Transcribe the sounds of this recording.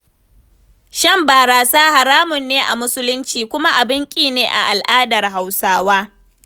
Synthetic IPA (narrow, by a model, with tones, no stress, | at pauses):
ʃɐ˦˨mbaː˨ɾaː˨saː˦ha˨ɾaː˦mʊ˨nːeː˦ʔa̰˨mʊ˦sʊ˦lʊ˦nt͡ʃiː˨kʷʊ˦ma˦ʔa˨bɪ˦ŋkʲʼiː˨neː˨ʔa̰˨ʔa˨lʔaː˦dɐ˨rɦa˨wsaː˦waː˦